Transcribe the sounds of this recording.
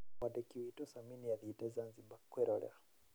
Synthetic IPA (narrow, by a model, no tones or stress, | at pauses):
aɗɛkiwitɔsaminiaðitɛzanzibakwɛɾo̰lḛa